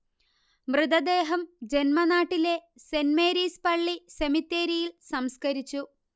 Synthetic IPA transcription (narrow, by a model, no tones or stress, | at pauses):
mrɨd̪ɐd̪e̞ːɦɐmd͡ʑe̞nmɐnaːʈːile̞ | se̞nmeːɾiːspɐɭːisemit̪ːe̞ːɾijilsɐmskɐɾit͡ɕːu